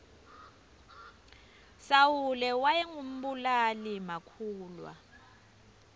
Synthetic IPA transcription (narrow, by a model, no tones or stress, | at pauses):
sawulɛwajɛŋum̩ɓulalimakʰuːlwa̰